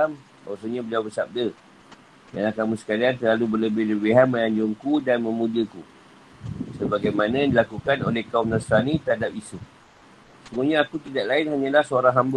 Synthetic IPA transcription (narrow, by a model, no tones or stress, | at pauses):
am | a̰wasəɲabəliawbəsab̚də | dalakamũsə̥kaliant̪əlalubələbɪhləbiɦaməaɲd͡ʒʊŋkudanmə̃mũdiəku | səbaɡajmanãjandilakukano̰lɛhkaumnəsɾanĩt̪əɦadap̚isu | səɡuɲãːkut̪idaʔlaɪnɦaɲalahsoaɾaŋɦambə